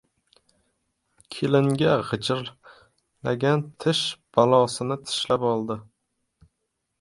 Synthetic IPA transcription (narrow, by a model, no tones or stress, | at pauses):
kʲʰelɪŋɡʲaʁɨt͡ʃʰɪɾ | laɡʲant̪ʰɪʃb̥alˠɒsɪnɪt̪ʰɪ̥ʃlapɒlˠd̪ɪ